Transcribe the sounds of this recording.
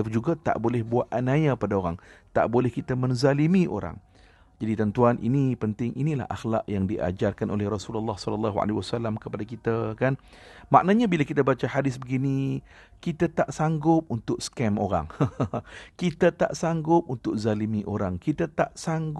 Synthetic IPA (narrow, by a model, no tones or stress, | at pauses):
d͡ʒuɡat̪a̰ʔbolɛhbuaʔanajapadaoɾaŋt̪a̰ʔbolɛhkit̪amə̃ŋzalimĩʔo̰ɾa̰ŋ | d͡ʒadit̪ənt̪uanʔḭnipənt̪ɪŋʔinila̰hʔa̰xla̰ʔjaŋdiʔa̰d͡ʒarkanʔo̰lɛhrɔsulalːahsɔlalːaɦua̰lewasalamkəpadakit̪akanma̰ʔnaɲabilakit̪abat͡ʃahadɪsbəɡini | kit̪at̪aʔsaŋɡʊp̚unt̪ʊkskɛmoɾa̰ŋ | kit̪at̪a̰ʔsaŋɡʊp̚unt̪ʊk̚zalimiʔoɾaŋkit̪at̪aʔsaŋɡ